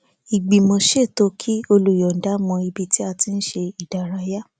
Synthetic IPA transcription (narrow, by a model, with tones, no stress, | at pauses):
i˨ɡ͡bi˨mõ˧ʃe˦˨to˦kʰi˦o˧lu˨jɔ˨n̩˨da˨˦mɔ̃˧i˧bi˧ti˦a˧ti˧n̩˦ʃe˧i˨da˨ɾa˨˧˦ja˦